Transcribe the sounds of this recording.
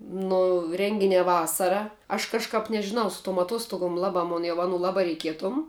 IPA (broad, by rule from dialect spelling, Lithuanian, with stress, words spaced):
nʊ ˈrʲɛŋʲɡʲɪnʲæː ˈʋɑːsɐrɐ ɐʃ kɐʃˈkɐp nʲɛʒʲɪˈnɐʊ sʊ tuɔm ɐtˈoːstʊɡoːm ˈlˠɑːbɑː mʊn jɛʊ ˈɑːnuː ˈlˠɑːbɑː rʲɛɪˈkʲiɛtoːm